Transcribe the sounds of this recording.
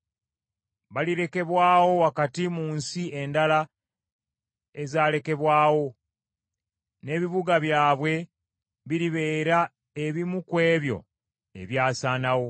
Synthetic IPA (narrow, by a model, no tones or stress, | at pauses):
βaliɾe̞ke̞βwaːwo̞wakatimuːnsie̞ndala | e̞zaːle̞ke̞βwaːwo̞ | ne̞ːβiβuɡaβjaːβwe̞ | βiɾiβe̞ːɾa | eβimukwe̞ːβjo̞̰ | e̞̰βjaːsaːnawo̞